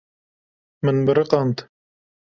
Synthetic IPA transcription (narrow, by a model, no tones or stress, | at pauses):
mɨnbɨɾɨqɑnt̪